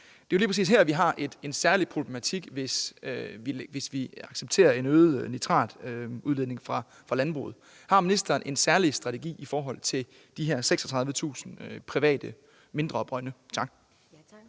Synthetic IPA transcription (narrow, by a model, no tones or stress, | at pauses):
d̥e̝oʊliːpʰʁɐsḭːsɦæɐ̰ʋiɦɑ̈ʔe̝d̥e̝nsæɐlipʰʁoblemæt͡sʰiɡ̥ʋe̝sʋiʋe̝sʋiɑ̈ɡ̥seb̥̚t͡sʰe̝̰ːɐe̝nøːð̩ˠnit͡sʰʁɑ̰̈ːd̥uðˠe̝ð̞ˠne̝ŋfʁɑ̈ | fʁɑ̈lænb̥ʁṵːð̞̩ˠ | hɑ̈minisd̥ɐːnʔe̝nsæɐlisd̥ʁɑ̈t͡sʰe̝ɡ̥ḭːifɒːɦɒ̽l̰t͡sʰe̝l | d̥iɦeɐseɡ̥sɒt͡sʰʁɑ̈ðˠʋət͡sʰṵːsn̩øpʰʁiʋɛ̰ːd̥ə | me̝nd̥ʁɐɒ̽b̥ʁɶnət͡sʰɑ̈ɡ̥̚